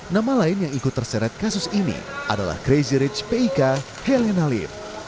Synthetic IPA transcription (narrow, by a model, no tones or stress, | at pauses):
namalaɪnjaŋikut̪ːərsɛɾɛt̪̚kasʊsinḭʔa̰da̰la̰hɡɾeziɾit͡ʃpeika | hɛlɛnalḭf